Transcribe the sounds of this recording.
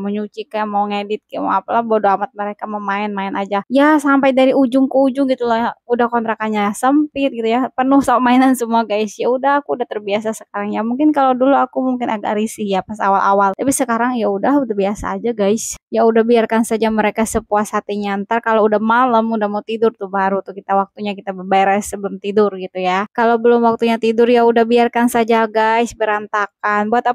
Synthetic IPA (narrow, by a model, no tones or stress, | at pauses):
məɲut͡ʃikamauŋedɪt̪̚kima̰apalahbodoamat̪̚məɾekaməmaɪnmaɪnʔad͡ʒajasampajdaɾiud͡ʒʊŋkuud͡ʒʊŋɡit̪ulahudahkɔnt̪ɾakanɲasəmpɪt̪̚ɡit̪ujapənʊhsaamainansəmuaɡaɪsjaudaɦakuːdaht̪ərbiasasə̥kaɾaŋjamuŋkɪnkaloduluakumuŋkɪnaɡa̰ʔɾisɪhjapasa̰walʔa̰walt̪apisəkaɾaŋjaudahudahbiasa̰ːd͡ʒaɡaɪsjaudahbiarkansad͡ʒaməɾekasəpuashat̪iɲant̪arkaloudamalamudahmaut̪idʊrt̪ubaɾut̪ukit̪awak̚t̪uɲakit̪abərbajɾasəbəlʊmt̪idʊrɡit̪ujakalobəlʊmwak̚t̪uɲat̪idʊrjaudahbiarkansad͡ʒaɡaɪsbəɾant̪akanbuat̪a